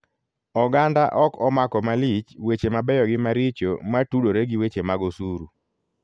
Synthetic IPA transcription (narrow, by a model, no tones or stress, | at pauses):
ɔɡandaʔɔkɔmakɔmalit͡ʃwet͡ʃemabɛjɔɡɪmaɾit͡ʃomatudoɾeɡiwet͡ʃemaɡosuɾu